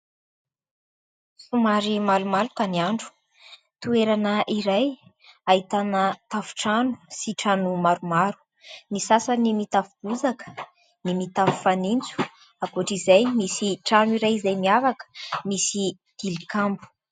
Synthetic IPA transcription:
sumaɾimalumalukaniaɳɖ͡ʐu̥ | t̪ueɾanəʔiɾaj | aɦit̪anət̪afu̥ʈ͡ʂanu̥siʈ͡ʂanumaɾumaɾu̥ | nisasanimit̪afub̥uzakə̥ | nimit̪afi̥fanint͡su̥ | aboʈ͡ʂizajmisiʈ͡ʂanuiɾajizajmiavakə̥misi | d̪̥ilikambu̥

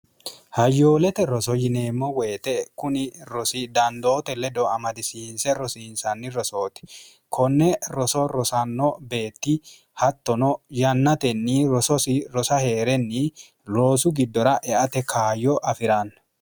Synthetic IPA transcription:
hɐjːo̞ːlɛt̪ɛɾɔsɔjɪne̞ːmːɔweːt̪ɛkʊnɪɾɔsɪd̪ɐnd̪oːt̪ɛlɛd̪ɔɐmɐd̪ɪsinsɛɾɔsiːnsɐnːɪɾɔso̞ːt̪ɪ̥ | kʰɔnːɛɾɔsɔɾɔsɐnːɔbe̞ːt̪ːɪ | hɐt̪ːɔnɔjɐnːɐt̪ɛnːiɾɔsɔsɪɾɔsɐhe̞ːɾɛnːɪ | lo̞ːsʊɡɪd̪ːɔɾɐʔɛʔɐt̪ɛkʰaːjɔʔɐfɪɾan

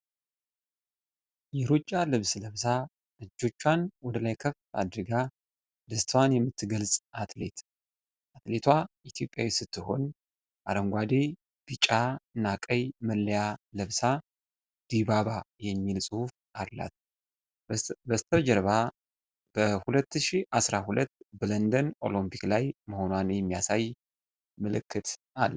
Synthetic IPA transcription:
jɛɾot͡ʃʼːalɨβsləβsa | ɨd͡ʒːo̞t͡ʃːwanwɔd̪əlajkʰəfa̰d̪ɾɨɡa | d̪əst̪ʰəwanjɛmːɨt̪ʰːɨɡəlsʼʔat̪le̞̰t̪ | ʔat̪le̞t̪ʰwaʔit̪ʰjo̞pʼːjawisɨt̪ʰːɨɦo̞̰n | ʔa̰ɾəŋɡʷad̪e̞ | b̥ɨt͡ʃʼanakʼəjməlːəjaləβsa | d̪̥iβaβajɛmːilsʼɨhuf | ʔalːa̰t̪ | bəst̪ʰəβd͡ʒɛɾβa | b̥əhulət̪ːɨʃiʔasɾahulət̪ːbələnd̪ənʔo̞̰lompʰiklajməho̞nwanjɛmːijasaj | məlɨkːɨt̪ʔal

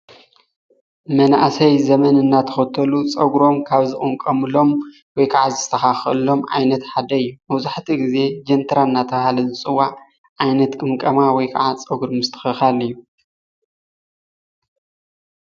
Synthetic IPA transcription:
mɐnaʔsɐjzɐmɐnɨnːat̪ʰɐ̥xɐt̪ʰːɐlut͡sʼɐɡɾo̞mkʰaβzɨkʼɨmkʼɐmɨlo̞m | wɔjkʰaʕazɨ̥st̪ʰɐxaxɨ̰lo̞mʕa̰jnɐt̪ħad̪ɐɨjːumɐβzaħt̪ʰiɡize̞d͡ʒɐnt̪ʰɐɾanːat̪ʰɐβahalɐzɨt͡sʼɨwːaʕ | ʕajnɐt̪kʼɨmkʼɐmawɔjkʰa̰ʕat͡sʼɐɡɾomzɨt̪ʰɐ̥xɐxalijːu

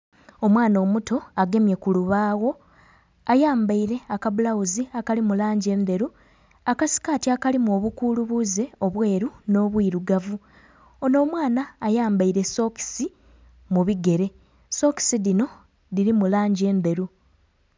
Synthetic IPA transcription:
o̞mwaːno̞ːmuto̞aɡe̞mje̞kuluβaːɣo̞ | ajaːmbaiɾe̞akaβulawuziakalimulaːɲɟe̞ːnd̪e̞ɾu | akasi̥kaːtiakalimoːβukuːluβuze̞o̞βwe̞ːɾuno̞ːβwiːɾuɡavu | ono̞ːmwaːnaːjaːmbaiɾe̞so̞ki̥si | muβiɡe̞ɾe̞ | so̞ki̥siðino̞ | ðiɾimulaːɲɟe̞ːnd̪e̞ɾu

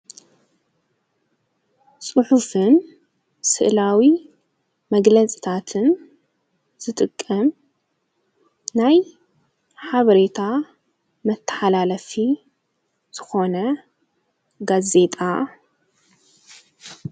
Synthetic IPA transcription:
sʼɨħufɨn | sɨ̰ʔlawi | mɐɡlɐt͡sʼi̥t̪ʰat̪ʰɨn | z̥ɨt̪ʼɨkʼːɐm | naj | ħaβɐɾe̞t̪ʰa | mɐt̪ʰːɐ̥ħalalɐfi | z̥ɨxo̞nɐ | ɡaze̞t̪ʼa

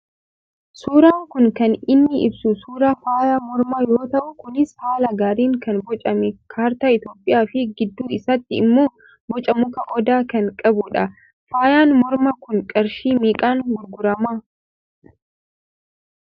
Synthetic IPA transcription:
suːɾaːŋkʊŋkɐnɪnːɪɪ̰bsusuːɾaːfaːjamɔɾmajoːt̪ɐʔʊkʊnɪshaːlɐɡaːɾiːŋkɐnbɔt͡ʃʼɐmɛkʰaːɾt̪aːɪt̪jo̞ːpʼːɪjaːfɪɡɪd̪ːuːɪsɐt̪ːɪɪmːoː | bɔt͡ʃʼɐmʊkɐʔɔd̪aːkɐŋkʼɐbʊᶑɐ | faːjaːnmɔɾmɐkʊnkʼɐɾʃiːmiːkʼaːŋɡʊɾɡʊɾɐmaː

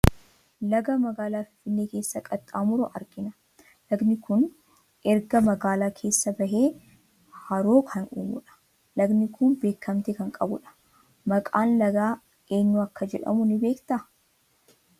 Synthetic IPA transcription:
lɐɡɐmɐɡaːlaːfɪ̥fɪnːeːke̞ːsːɐkʼɐt̪ʼaːmʊɾʊʔɐɾɡɪnɐ̥ | lɐɡnɪkʊn | ʔɛɾɡɐmɐɡaːlaːkʰe̞ːsːɐbɐɦe̞ː | hɐɾoːkʰɐnṵːmʊ̰ᶑɐ̥ | lɐɡnɪkʰʊnbe̞ːkʰːɐmt̪ɪkɐŋkʼɐbʊᶑɐ̥ | mɐkʼaːnlɐɡaː | e̞ːnːuɐkːɐd͡ʒɛᶑɐ̰mʊnɪbe̞ːkt̪ɐ

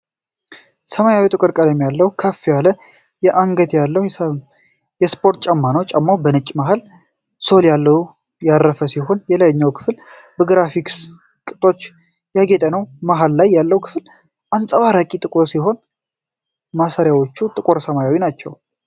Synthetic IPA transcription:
səmajawit̪ʼɨkʼɨɾkʼəlɛmːjalːəwkʰəfːijalə | jɛʔaŋɡət̪jalːəw | jɛspʰo̞ɾt̪̚t͡ʃʼamːanəwt͡ʃʼamːawbənɨt͡ʃʼːmaɦal | so̞ljalːəw | jaɾːəfəsiɦo̞njɛlajɲːawkʰɨ̥fl | bəɡɾafiks | kʼɨt̪ʼo̞t͡ʃː | jaɡet̪ʼənəwmaɦalːajːalːəwkʰɨ̥fɨl | ʔansʼəβaɾakʼit̪ʼɨkʼoɾsiɦo̞n | masaɾjawo̞t͡ʃːut̪ʼɨkʼoɾsəmajawinat͡ʃːɛ̰w

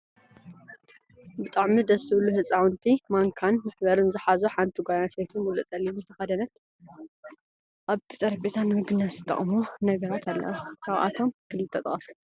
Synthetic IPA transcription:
bɨt̪ʼaʕmid̪ɐsːɨβɨluhɨt͡sʼawɨnt̪ʰimaŋkʰanmɨħbɐɾɨnzɨħazuħant̪ʰiɡʷajanset̪ʰunmulɨt͡s̪ʼɐlːimzɨt̪ʰɐxɐd̪ɐnɐt̪ | ʔaβt̪ʰi̥sʼɐɾbet̪ʰanɨmɨɡɨnɐsɨt̪ʰʼːɐ̰χʼmunɐɡɐɾat̪ʰalːɐ̰wakʰawʔa̰t̪ʰo̞mɡʰɨlit̪ʰːɐt̪ʼɐχʼɐs

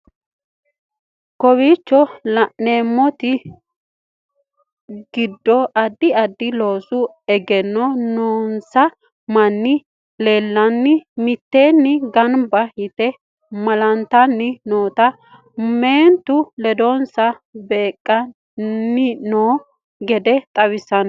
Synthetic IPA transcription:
kɔwiːt͡ʃːɔlɐʔneːmːɔt̪ɪ | ɡ̥ɪd̪ːɔʔɐd̪ːɪɐd̪ːɪloːsʊ | ɛɡɛnːɔnoːnsɐ | mɐnːɪ | le̞ːlːɐnːɪmɪt̪ːeːnːɪɡɐnbɐhɪt̪ɛ | mɐlɐnt̪ːɐnːɪnoːt̪ɐ | meːnt̪ʊlɛd̪onsɐbe̞ːkʼːɐ | nːɪnoː | ɡɛd̪ɛt̪ʼɐwɪsːɐn

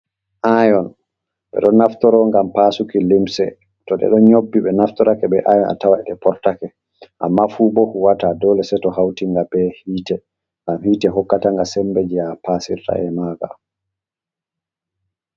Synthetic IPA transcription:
ʔajɔn | ɓɛ̰ɗɔnaftɔɾɔŋɡampasukilimsɛ | tɔɗɛ̰ɗɔɲobːiɓɛnaftɔɾakɛɓɛʔajɔna̰tawaɛɗɛpɔɾtakɛ | ʔamːafubɔhuwatadɔlɛsɛtɔɦawtiŋɡabɛhiːtɛ | ŋɡamhiːtɛɦɔkːataŋɡasɛmbed͡ʒiapasḭɾta̰ɛmaɡa̰

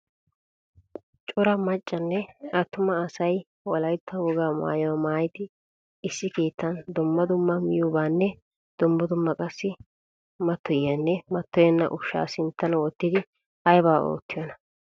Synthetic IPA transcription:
t͡ʃʼɔɾɐmɐt͡ʃʼːɐnːɛɐt̪ːʊmɐːsɐj | wɔlɐjt̪ːɐwɔɡaːma̰ːjɔwɐmaːjd̪ɪ | ɪsːɪkeːt̪ːɐnd̪ʊmːɐd̪ʊmːɐmɪjʊbaːnːɛ | d̪̥ʊmːɐd̪ʊmːɐkʼɐsːɪ | mɐt̪ʰːɔjːɐnːɛmɐt̪ːɔjɛnːɐ̰ʔʊʃːa̰ːsɪnt̪ːɐnwɔt̪ːɪd̪ɪ | ɐjbaːo̰ːt̪ːɪjɔnɐ̥

